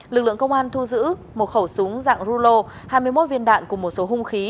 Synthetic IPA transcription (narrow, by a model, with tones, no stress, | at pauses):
lɨ˨˩k̚lɨ̰˧˨ə˨ŋkə˧wŋ͡mʔaː˧nt̪ʰu˧zɨ̰˧˥ | mo˨˩t̚xə˧˩wsʊ˨˦ŋza̰ː˧˨ŋzu˧lo˧ | haː˧jmɨ˧əjmo˦˥t̚vi˧ənɗa̰ː˧˨nku˧˩əmo˨˩t̚so˨˦ɦʊ˧ŋ͡mxi˨˦